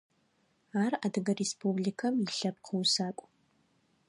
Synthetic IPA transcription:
aːradɡɐrespublikʰɐmiɬɐpqʰəwsaːkʷʼ

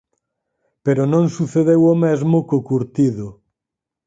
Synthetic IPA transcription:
peɾonõŋsuθeðewomezmʊkokuɾt̪iðʊ

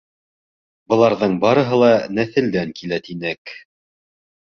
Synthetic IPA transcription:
bɤ̆lˠɑɾðɤɴbɑɾɤ̆ɦɤ̆lˠɑnæθɘ̆ld̪æŋkilæt̪inɘk

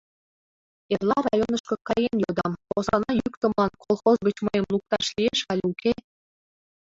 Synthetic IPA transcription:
erlˠɑrɑjonəʃkɤ̆kɑjenjod̪ɑmpozɑnɑjykt̪ə̆mlˠɑnkʰolˠχozɡə̆t͡ɕmɤjɤ̆mlˠuk̚t̪ɑʃlʲieʃɑlʲukʰe

